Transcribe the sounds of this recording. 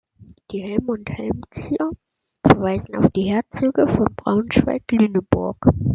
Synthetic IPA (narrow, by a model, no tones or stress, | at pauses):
d̥iːhɛlmʊnthɛlmt͡siːɐ | fɛɐvaɪzn̩a̰ʊfd̥iːhɛːɐt͡syːɡəfɔnbʁa̰ʊnʃv̥a̰ɪklyːnəbʊɐk